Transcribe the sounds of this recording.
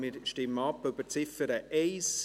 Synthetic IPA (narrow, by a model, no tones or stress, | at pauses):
mɪɾʃtɪmːəɑpːøb̥əɾt͡sɪfəɾəʔɛɪs